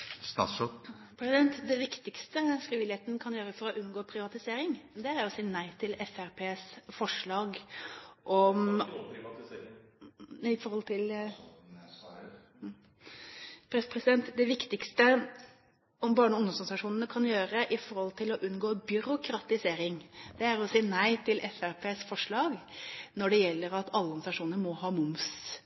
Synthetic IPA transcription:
st̪ɑ̰ːsɔ | pʰɾɛsɪd̪ɛnt̪d̪ɛʋɪkt̪ɪkst̪əfɾiːʋɪlɪheːt̪nkʰɑnjøːɾəfɔɾɔʔʉnɡoːpʰɾɪʋɑt̪ɪseːɾɪŋd̪ɛæɾjʊsɪnːæɪt̪ʰɪlɛfæɾpʰeːsfɔʂɭɑːɡʔɔm | ɪfɔɾhɔlt̪ʰɪl | pʰɾɛsə̥pɾɛsɪd̪ɛnt̪d̪ɛʋɪkt̪ɪkst̪ə | ɔmbɑːɳəʊnəsɔsɑʂuːnənəkʰɑnjøːɾəʔɪfɔɾhɔlt̪ʰɪlɔʔʉnɡoːbʏɾʊkʰɾɑt̪ɪseːɾɪŋd̪̥ɛæɾɔsiːnæɪt̪ʰɪlʔɛfæɾpʰeːsfɔʂɭɑːɡnɔɖɛjɛlːəɾɑt̪ʰɑlːəɔnsɑʂuːnəɾmɔhɑːmʊms

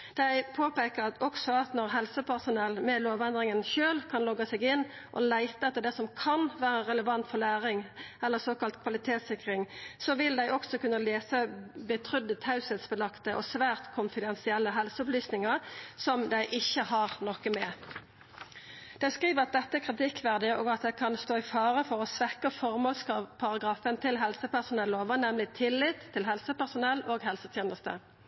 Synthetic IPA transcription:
d̪̥æɪpʰoːpeːkətɔksɔɑt̪nɔʁɦɛlsəpʰæʁsʊnɛlːmɛloːʋɛnd̪ʁɪŋənçøːlkʰɑnlɔɡəsɛɡɪnː | ʔɔ̰læɪt̪əɛt̪ːəd̪ɛsɔmkʰɑnʋæːʁəɾɛləʋɑnt̪fɔʁlæːʁɪŋɛlːəsoːkɑlt̪kʰʋɑlɪt̪ʰeːt̪sɪkʁɪŋsɔʋɪld̪æɪʔɔksɔkʉnːəleːsəbət̪ʰʁʏd̪ət̪hɑʉsɛt̪sbəlɑkt̪əʔɔsʋæːʁt̪kʰʊnfɪd̪ɛnsɪɛlːəɦɛlsəʊplyːsnɪŋəʁsɔmd̪æɪʔɪçːəhɑʁnɔkəmɛ | d̪̥æɪskʁiːʋəʁɑt̪̚d̪ɛt̪ːəækʰʁɪt̪ɪkːʋæʁd̪ɪəʔoːɡɑt̪̚d̪æɪkʰɑnst̪oːɪfɑːʁəfɔʁɔsʋɛkəfɔʁmoːlskɑpʰɑʁɑɡʁɑːfənt̪ʰɪlɦɛlsəpæʁsʊnɛlːoːʋənɛmlɪt̪ʰɪlːɪt̪ʰːɪlɦɛlsəpæʁsʊnɛlːoːɡɦɛlsət̪ʰjeːnəst̪ə̰

